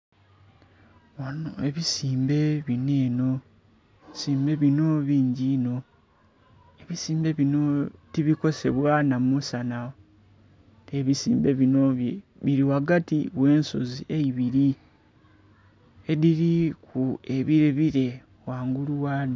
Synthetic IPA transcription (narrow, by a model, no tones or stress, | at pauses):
wanoeβisiːmbe̞βine̞ːno̞ | siːmbe̞βino̞βiːɲɟino̞ | eβisiːmbe̞βino̞tiβiko̞se̞βwanamusana | neβisḭːmbe̞βinoββiɾiwaɡatiwe̞ːnso̞zieiβiɾi | eðiɾikueβiɾeβiɾe̞ | waːŋɡuluwad